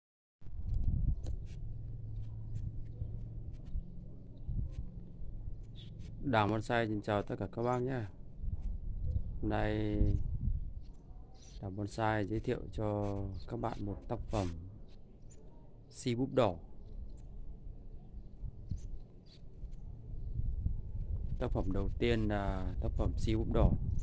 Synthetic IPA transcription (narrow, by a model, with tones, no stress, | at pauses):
ɗaː˨˩ŋɓɔ˧nsaː˧jt͡ɕi˨˩ŋt͡ɕaː˨˩wt̪ə˦t̚kaː˧˩kaː˦˥k̚ɓaː˧nɲaː˧˩ | ho˧mna˧j | ɗaː˨˩ŋɓɔ˧nsaː˧jzəː˨˦t̪ʰḭ˧˨əwt͡ɕɔ˧kaː˦˥k̚ɓa̰ː˧˨nmo˨˩t̚t̪aː˦˥k̚fə˧˩m | si˧ɓu˦˥p̚ɗɔ˧˩ | t̪aː˦˥k̚fə˧˩mɗə˨˩wt̪i˧ənlaː˨˩t̪aː˦˥k̚fə˧˩msi˧ɓu˦˥p̚ɗɔ˧˩